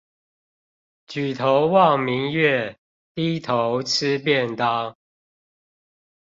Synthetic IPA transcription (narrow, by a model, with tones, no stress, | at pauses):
t͡ɕy˨˩t̪ʰo˨˦ʊwɑ˥˨ŋmi˨˦ŋɥɛ˥˨ | t̪i˦t̪ʰo˨˦ʊt͡s̩ʰ˦pjɛ˥˨nt̪ɑ˦ʊ